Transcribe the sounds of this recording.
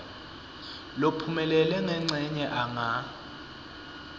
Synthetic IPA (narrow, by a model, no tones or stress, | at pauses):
lopʰumɛlɛlɛŋɛŋ͡ǀʱɛɲɛʔaŋa